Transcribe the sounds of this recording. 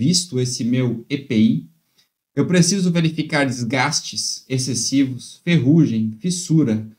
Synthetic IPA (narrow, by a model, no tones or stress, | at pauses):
vist̪ʊesɪmewepei | ewpɾesizʊveɾifikaɾd͡ʒɪzɡast͡ʃɪsesesivʊsfeɦuʒẽj̃fisuɾɐ